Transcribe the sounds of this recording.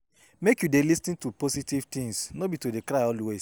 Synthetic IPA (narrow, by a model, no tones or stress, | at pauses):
mekjudelistĩntupositivt̪ĩŋsnobitodekɾaɪɔldwes